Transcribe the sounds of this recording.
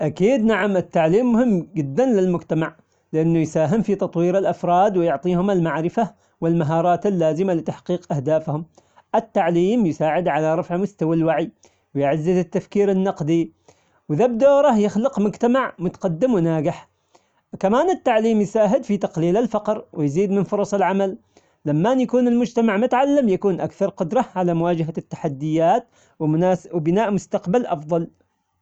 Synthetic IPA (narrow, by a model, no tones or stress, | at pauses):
ʔakiːd̪naʕamɪt̪ːaʕliːmːʊhɪmːɡɪd̪ːanlɪlmʊɡt̪amaʕ | lɪʔanːujsaːɦɪmfit̪ɑt̪ˤwiːɾɪlʔafɾˤɑːd̪wɪjʊʕt̪ˤiːhʊmɪlmaʕɾɪfa | wɪlmaɦɑːɾˤɑːt̪ɪlːaːzɪmalɪt̪aħqiːqʔahd̪aːfhʊm | ʔɪt̪ːaʕliːmjɪsaːʕɪd̪ʕalaɾˤɑfʕmʊst̪awalwaʕi | wjʕazːɪzɪt̪ːafkiːɾɪnːɑqd̪i | wɪðabd̪oːɾˤɑhjɪxlɪqmʊd͡ʒt̪amaʕmʊt̪ḁqɑd̪ːɪmwɪnaːɡɪħ | kamaːnɪt̪ːaʕliːmjɪsaːɦɪd̪fit̪ɑqliːlalfɑqɾwɪjziːd̪mɪnfʊɾˤɑsˤɪlʕamal | lamːanjakuːnɪlmʊd͡ʒt̪amaʕmʊt̪ʕalːamjakuːnʔa̰kθɑɾˤqʊd̪ɾˤɑʕalamʊwaːd͡ʒaɦat̪ːḁħad̪ːɪjːaːt̪̚ | waːwɪbɪnaːʔmʊst̪aqbalʔɑfðˤɑl